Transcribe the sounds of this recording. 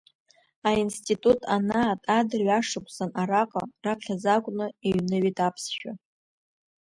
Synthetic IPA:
ainstʰʼitʼutʰʼanaːtʼadɨrɥaʂɨkʷʼsanaɾakʼarapʰχʲazakʷʼʊnɨeɥnɨɥitʰʼapʰsʃᶣa

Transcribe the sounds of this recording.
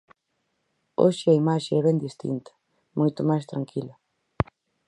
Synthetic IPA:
o̰ʃɪɐimaʃeɛβɛnd̪ist̪ḭnt̪ɐ̥ | mojt̪ʊmajst̪ɾaŋkʰilɐ

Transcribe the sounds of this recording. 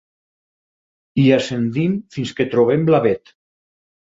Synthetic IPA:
iasend̪imfinsket̪ɾoβ̞emblaβet̪

